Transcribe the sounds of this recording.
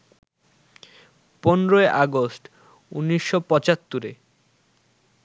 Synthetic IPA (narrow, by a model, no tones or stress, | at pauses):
ponɾoeʔaɡosʈ | unːiʃːopɔt͡ɕat̪ːuɾe